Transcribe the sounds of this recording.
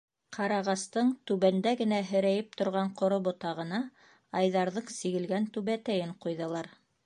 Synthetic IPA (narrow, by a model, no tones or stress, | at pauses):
qʰɑɾɑʁɑst̪ɤɴt̪ʉβænd̪æɡɘ̆næɦɘ̆ɾæjɘp̚t̪ŏɾʁɑɴqŏɾoβot̪ɑʁɤ̆nɑ | ɑjðɑɾðɤɴsiɡɘ̆lɡænt̪ʉβæt̪æjɘɴqujðɤ̆lˠɑɾ